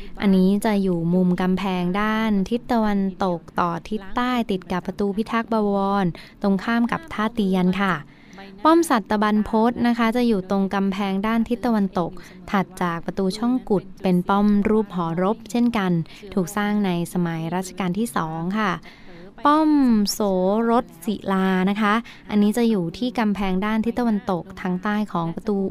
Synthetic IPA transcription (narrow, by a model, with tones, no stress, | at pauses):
ʔa̰˧nːiː˦˥t͡ɕa˨˩juː˨˩mu˧mka˧mpʰɛː˧ŋdaː˥˩nt̪ʰi˦˥t̪ːa˧wa˧nt̪o˨˩k̚t̪ɔː˨˩t̪ʰi˦˥t̪ːaː˥˩jt̪i˨˩t̪̚ka˨˩pːɾa˧t̪uː˧pʰi˦˥t̪ʰaː˦˥k̚baː˧wɔɔː˧nt̪o˧ŋkʰaː˥˩mka˨˩p̚t̪ʰaː˥˩t̪i˧ənkʰa˥˩ | pɔ˥˩msa˨˩t̪ːa˧ba˧npʰo˦˥t̪̚na˦˥kʰa˦˥t͡ɕa˨˩juː˨˩t̪o˧ŋka˧mpʰɛː˧ŋdaː˥˩nt̪ʰi˦˥t̪ːa˧wa˧nt̪o˨˩k̚ | t̪ʰa˨˩t̪̚t͡ɕaː˨˩k̚pɾa˧t̪uː˧t͡ɕʰɔ˥˩ŋku˨˩t̪̚pe˧npɔ˥˩mɾuː˥˩p̚ɦɔː˩˦ɾo˦˥p̚t͡ɕʰe˥˩nka˧n | t̪ʰuː˨˩k̚saː˥˩ŋna˧jsa˧ma˩˦jɾaː˥˩t̪̚t͡ɕʰḁ˧kaː˧nt̪ʰiː˥˩sɔː˩˦ŋkʰa˥˩ | pɔ˥˩msoː˩˦ɾo˦˥t̪̚si˨˩˦laː˧na˦˥kʰa˦˥ | ʔa˧nːiː˦˥t͡ɕa˨˩juː˨˩t̪ʰiː˥˩ka˧mpʰɛː˧ŋdaː˥˩nt̪ʰi˦˥t̪ːa˧wa˧nt̪o˨˩k̚t̪ʰaː˧˥ŋt̪aː˥˩jkʰɔː˩˦ŋpɾa˧t̪uː˧